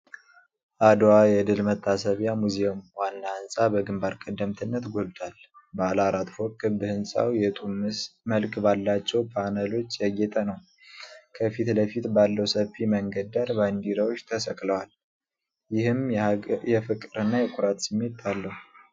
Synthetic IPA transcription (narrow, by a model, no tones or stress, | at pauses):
ʔad̪wajɛɨd̪ɨlmət̪ʰʼːasəβjamuzeomwanːahɨnsʼabəɡɨmbaɾkʼəd̪ːəmt̪ʰɨnːət̪ɡo̞lt̪ʰʼalbəlaɾat̪ʼfokːɨbɨhɨnsʼa̰wjɛt̪ʼumːɨsməlkʼbalːat͡ʃːɛwpʰanəlo̞t͡ʃːjɛɡɛt̪ʼənəw | kʰəfit̪ləfit̪balːəwsəfiməŋɡəd̪aɾband̪iɾawot͡ʃːt̪ʰəsəkʼləwal | jɪhɨmjɛfɨkʼːɨɾɨnːajɛkʷʼʊɾat̪sɨmːe̞t̪alːəhu